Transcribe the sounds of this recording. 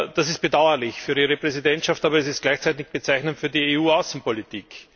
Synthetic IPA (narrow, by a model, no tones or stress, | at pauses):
d̥asɪst̚b̥edaʊɐlɪçfyːɐiːʁəpʁ̥ɛzidɛntʃaftaːbɐɛsɪst̚ɡlæɪçt͡sæɪtɪçb̥ət͡sæɪçnəntfyːɐdieuːaʊsn̩politʰiːk